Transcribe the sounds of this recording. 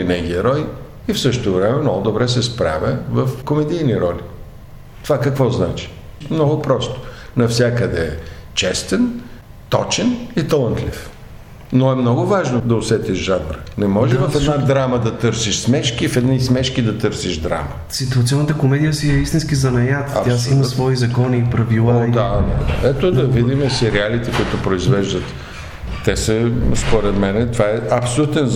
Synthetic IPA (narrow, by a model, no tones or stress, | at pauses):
inɛɡiɛɾɔj | ifsɤʃt̪ovɾɛmɛmnɔɡʊd̪obɾɛsɛspɾa̰vʲəvəfkomɛd̪ijniɾɔli | t̪ovakɐkvɔznat͡ʃi̥ | mnɔɡʊpɾɔst̪o̥ | nɐfsʲjakəd̪ɛɛ | t͡ʃɛst̪ɛn | t̪ɔ̰t͡ʃɛnit̪ɐlˠant̪lʲḭf | noɛmnɔɡʊvaʒnod̪ɐʊsɛt̪iʒʒad̪ɾənɛmɔʒɛvɐfɛd̪nad̪ɾaməd̪ɐt̪ɤɾsiʃsmɛʃkifɛd̪niismɛʃkid̪ɐt̪ɤɾsiʒd̪ɾa̰mə | sit̪uɐt̪siɔnːət̪əkomɛd̪ijəsiɛist̪inskizɐnɐjat̪ɐjaimɐsvɔizɐkɔniːpɾɐvilˠad̪ad̪ad̪ɛt̪od̪ɐvid̪imɛsɛɾialit̪ɛkʊit̪opɾoizvɛʒd̪ət̪ː | ɛsəspoɾɛt̪mɛnɛt̪ovaɛɐpsolʲut̪ɛn